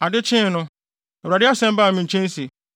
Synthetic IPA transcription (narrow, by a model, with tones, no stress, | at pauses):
a˨dɪ˦t͡ʃʰɪ̃˦˨nʊ̃˦ | ɛ˨ɾa˨dɪ˦a˦sɛ̃˦m̩˦ba˦˨mɪ̃˨ɲ̩˨t͡ʃʰẽ˦n˦si˨